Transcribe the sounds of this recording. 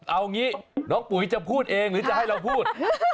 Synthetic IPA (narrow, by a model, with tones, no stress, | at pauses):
ʔa˧wŋiː˦˥nɔː˦˥ŋpu˨˩˦jt͡ɕa˨˩pʰuː˥˩t̪̚ʔeː˧ŋɾɯː˨˦t͡ɕa˨ʔha˥˩jɾa˧wpʰuː˥˩t̪̚